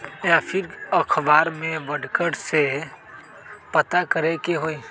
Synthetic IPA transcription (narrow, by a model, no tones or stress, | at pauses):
japʰɪɾəkʰbaːɾmẽʋəɖkəɽse | pət̪akəɾekeɦoːi